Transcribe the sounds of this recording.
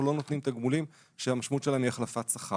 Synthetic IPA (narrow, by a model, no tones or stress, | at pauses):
lo̞no̞t̪nimt̪aɡmulim | ʃeamaʃmutt͡ʃʃelaniaχlafat̪saχa